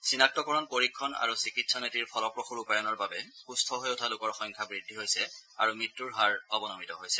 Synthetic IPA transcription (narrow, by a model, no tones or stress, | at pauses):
sinak̚tɔkɔɹɔnpoɹikʰːɔna̰ɹusikitsɔnetiɹpʰɔlɔpɹoxuɹupajɔnɔɹbabɛkustʰɔɦojotʰalʊkɔɹxɔŋkʰabɹidʱːiɦojsɛa̰ɹumɹitːuɹɦaɹɔbɔnɔmitɔɦojsɛ